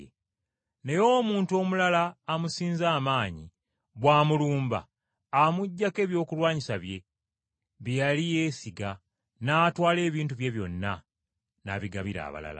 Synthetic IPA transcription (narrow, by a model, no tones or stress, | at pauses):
ne̞jo̞ːmuːntuo̞mulalaːmusiːnzaːmaːɲḭ | βwaːmuluːmba̰ː | muɟːake̞ːβjo̞ːkulwaːɲisaβje̞ | βijalije̞ːsiɡa | natwaːle̞ːβiːntuβje̞βjo̞nːa | naβiɡaβiɾa̰ːβa̰la̰la̰